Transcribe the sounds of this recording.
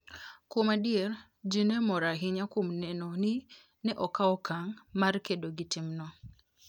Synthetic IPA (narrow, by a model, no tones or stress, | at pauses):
komadɪɛr | d͡ʒinemɔɾaɦɪɲakomnɛnɔnɪ | nɛʔɔkaɔkʰaŋmarkedoɡitɪmnɔ